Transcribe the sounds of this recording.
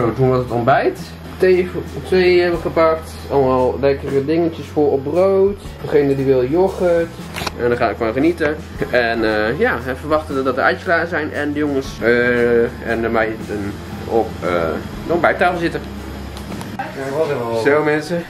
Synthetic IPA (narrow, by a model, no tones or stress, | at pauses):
odunʋɔtətɔmbɛjt | teftʋejɦɛbʋəχəpɑkt | ɑlˠmalˠlɛkərədɪŋəntəsfʊɹɔp̚rowt | d̥əχejnədiʋɪlˠjoχət | ʔɛndɔχaːətkonχənitə | ɛnəjaːɛfərʋɑχtənədɔtdəɛjtəklaːəzɛjnɛ̰ndəjoŋəsə | ɛ̰nəmajtən | ɔpə̰ | dɔmbɛjtaːfəlˠzɪtə | sowmɛnsə